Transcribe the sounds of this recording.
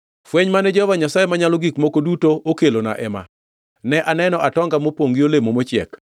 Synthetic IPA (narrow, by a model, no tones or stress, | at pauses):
fweɲmanɛd͡ʒɔhvaɲasajemaɲalɔɡikmokodutoʔokelona̰ʔɛma̰ | nɛʔanɛnɔʔatɔŋɡamopwoŋɡɪolemomot͡ʃɪɛ̰k